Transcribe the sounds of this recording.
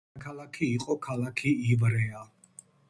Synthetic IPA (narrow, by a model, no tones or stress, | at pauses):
kʰalakʰiːqʼɔkʰalakʰiivɾɛa